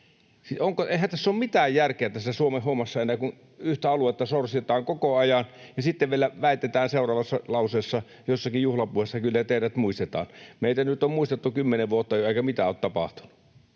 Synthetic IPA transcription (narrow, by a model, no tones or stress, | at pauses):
sioŋkoeˑihænt̪æsːommit̪æːjjærkeæt̪æsːæsuomehhomːɑsːɑenːˑæːkun | yht̪æɑluˑet̪ːɑsorst̪et̪ɑːŋkokoɑjɑnjɑsit̪ːeʋʋielæʋæˑit̪et̪æːnseˑurˑɑːʋɑsːɑlɑˑuseːˑsːɑ | josːɑkijjuhlɑpuohesːɑkylːæt̪eˑiræt̪muist̪et̪ɑ̰ːnmeˑit̪ænyt̪ommuist̪et̪ːukymːeneʋʋuot̪ːɑjoeˑikæmit̪æoˑːt̪t̪ɑpɑ̰ht̪u̥nu